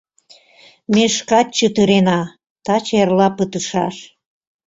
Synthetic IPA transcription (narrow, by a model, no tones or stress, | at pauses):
meʃkɑt̚ʲt͡ɕət̪əɾenɑ | t̪ɑt͡ɕerlɑpət̪əʃɑʃ